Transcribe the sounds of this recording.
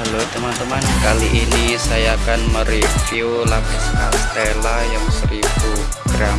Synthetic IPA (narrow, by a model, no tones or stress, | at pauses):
balot̪əmant̪əmankaliʔinisajaːkanməɾifiolapasna̰st̪elajaŋsəɾibu | ɡ̥ɾam